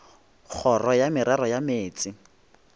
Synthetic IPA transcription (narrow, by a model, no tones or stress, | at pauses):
k͡xʰɔrɔjamɪɾarɔjameːt͡sʼɪ